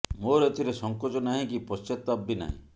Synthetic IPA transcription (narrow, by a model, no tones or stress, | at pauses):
moɾet̪ʰiɾesɔŋkɔt͡ʃɔnaɦĩkipɔst͡ʃet̪ːabːina̰ɦḭ̃